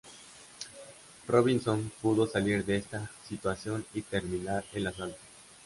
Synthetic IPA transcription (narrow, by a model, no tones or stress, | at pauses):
roβinsonpuðo̞saliɾd̪eest̪asit̪wasjo̞nit̪e̞ɾmĩnaɾelasalt̪o̥